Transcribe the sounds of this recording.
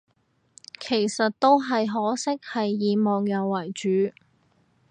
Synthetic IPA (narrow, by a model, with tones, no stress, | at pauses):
kʰe˨˩jsɐ˨t̚t̪o˥wɦɐ˨jɦɔː˨˥sɪ˥k̚hɐ˨jːiː˨mɔː˨ŋjɐ˨˧wːɐ˨˩jt͡ʃyː˨˥